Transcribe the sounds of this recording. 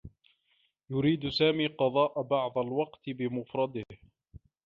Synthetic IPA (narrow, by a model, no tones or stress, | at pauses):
jʊɾiːd̪saːmiːqɑðˤɑːʔabɑʕd̪ˤalwɑqt̪bɪmʊfɾˤɑd̪ɪh